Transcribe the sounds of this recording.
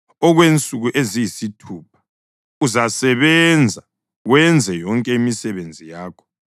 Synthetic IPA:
ɔɣwent͡sʼuɣuʔezijisitʰupʰḁ | uzasɛβɛnd͡zʱa | ɣwɛnd͡zʱɛjɔŋkʼɛimisɛβend͡zʱijaːkʰɔ̥

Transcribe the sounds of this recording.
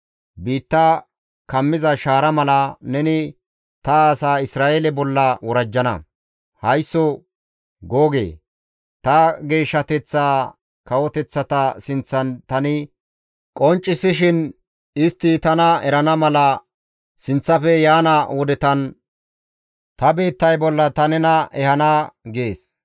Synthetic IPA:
biːt̪ːɐ | kɐmːɪzɐʃaːɾɐmɐlɐnɛnɪ | t̪ɐːsaːɪsɾaːʔelɛbɔlːɐwɔɾɐd͡ʒːɐnɐ̰ | hɐjsːɔ | ɡoːɡḛː | t̪ɐɡe̞ːʃːɐt̪ɛt͡sːaː | kɐwɔt̪ɛt͡sːɐt̪ɐsɪnt͡sːɐnt̪ɐnɪ | kʼɔnt͡ʃʼːɪsɪʃɪn | ɪst̪ːɪt̪ɐnɐɛɾɐnɐmɐlɐ | sɪnt͡sːɐfɛjaːnɐwɔd̪ɛt̪ɐn | t̪ɐbe̞ːt̪ːɐjbɔlːɐt̪ɐnɛnɐɛhɐnaːɡeːs

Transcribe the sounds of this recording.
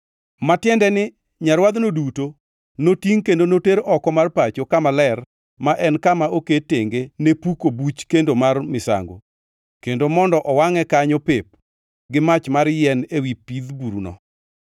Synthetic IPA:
matɪjɛndɛnɪ | ɲaɾwad̪noduto | notiŋkendonoteɾɔkɔmarpat͡ʃokamalɛr | maʔɛnkamaoketeŋɡenepukobut͡ʃkendomarmɪsa̰ŋɡo̰ | kendomɔndɔʔɔwaŋɛkaɲopep̚ | ɡɪmat͡ʃmaɾjɛnewipid̪buɾunɔ̰

